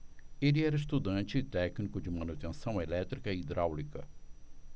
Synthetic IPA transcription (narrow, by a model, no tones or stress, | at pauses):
elɪɛɾɐis̬t̪ud̪ɐ̃nt͡ʃɪːt̪ɛknikʊd͡ʒɪmɐ̃nut̪ẽsɐ̃w̃elɛt̪ɾikɐid̪ɾʔawlikɐ̰